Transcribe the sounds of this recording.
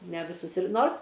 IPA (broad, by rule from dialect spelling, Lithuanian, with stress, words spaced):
nʲɛ ʋʲɪˈsʊs ɪr ˈnoːrs